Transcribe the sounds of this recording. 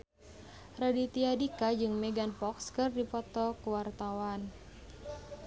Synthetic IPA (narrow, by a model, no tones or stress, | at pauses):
radit̪iadikad͡ʒɨŋmɛɡanpɔkskɨrdipɔt̪ɔkuwart̪awan